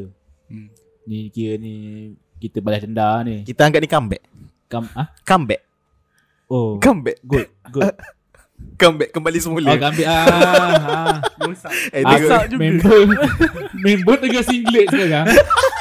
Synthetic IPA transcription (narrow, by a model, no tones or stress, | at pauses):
nikiɾəni | kit̪əbalahd̪əndanikit̪aaŋɡaʔ̚nikambɛ̰ʔ | kamahkambɛʔ̚ | okambɛʔɡot̪̚ɡo | kambɛʔkːəmbalisəmuləkambɛʔa | osaaəaʔd͡ʒumẽbə | membət̪̚əɡasiŋɡlɪt̪̚kaka